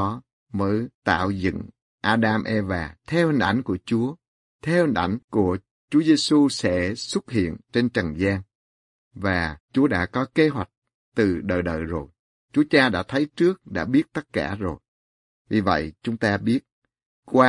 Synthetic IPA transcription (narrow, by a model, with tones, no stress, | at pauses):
ɔ˨˦ | məː˨˦jt̪a̰ː˧˨wzɨ̰˧˨ŋ | ʔaː˧ɗaː˧mʔɛ˧vaː˨˩t̪ʰɛ˧whï˨˩ŋ̟ʔa˧˩jŋ̟ku˧˩ət͡ɕu˨˦ə | t̪ʰɛ˧whï˨˩ŋ̟ʔa˧˩jŋ̟ku˧˩ə | t͡ɕu˨˦əze˧su˧sɛ̰˧˥swə˦˥t̚hḭ˧˨ənt͡ɕe˧nt͡ɕə˨˩ŋzaː˧ŋ | vaː˨˩t͡ɕu˨˦əɗa̰ː˧˥kɔ˨˦ke˧ɦwa˨˩jk̟̚ | t̪ɨ˨˩ɗəː˨˩jɗə̰ː˧˨jzo˨˩j | t͡ɕu˨˦ət͡ɕaː˧ɗa̰ː˧˥t̪ʰə˨˦jt͡ɕɨ˦˥ək̚ɗa̰ː˧˥ɓi˦˥ət̚t̪ə˦˥t̚ka̰ː˧˩zo˨˩j | vi˨˩və̰˧˨jt͡ɕʊ˨˦ŋ͡mt̪aː˧ɓi˦˥ət̚ | kwaː˧